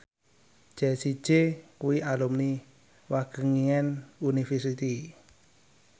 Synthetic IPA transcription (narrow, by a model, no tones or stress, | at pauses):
ʒ̥ɛsi̥ʒ̥ekuwiʔalumni | waɡ̥ə̤ŋiŋɛnunifərsit̪i